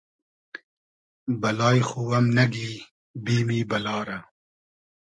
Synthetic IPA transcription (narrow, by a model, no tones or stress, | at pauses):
bɐlɑːjxuwɐmnɐɡliː | biːmiːbɐlɑːɾɐ